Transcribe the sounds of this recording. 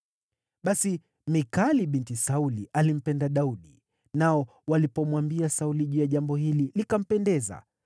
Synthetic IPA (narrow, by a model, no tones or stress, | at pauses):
ɓasi | mikaliɓintisauliʔalim̩pɛndaɗauɗi | naɔ | walipɔmwambiasauliʄujaʄambɔhililikam̩pɛndɛza̰